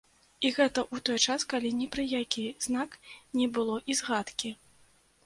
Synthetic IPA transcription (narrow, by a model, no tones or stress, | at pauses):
iɣɛt̪ɐʔut̪ɔjt͡ʂaskalʲinʲɛpɾɨjakʲiznaknʲɛbɨlˠɔʔizɣat̪kʲi